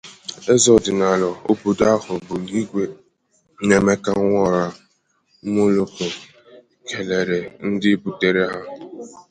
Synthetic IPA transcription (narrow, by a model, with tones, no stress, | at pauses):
e˦zɔ˨dɪ˨na˨lɔ˨o˦bu˨da˦hʊ˨bʊ˨i˦ɡʷe˦ | ne˨me˦ka˦ŋʷɔ˦˨ɾa˨˦ | mo˦lo˦ko˨ | kʰe˨le˨ɾe˨n̩˦dɪ˦bu˦te˨ɾe˦ɦa˦